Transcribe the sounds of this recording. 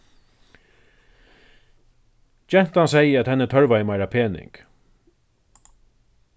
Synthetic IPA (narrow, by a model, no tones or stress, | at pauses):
d͡ʒɛn̥t̪ansɛjəæt̪hɛnːət̪ʰœɹvajəmajɾapʰeːnɪ̰ŋk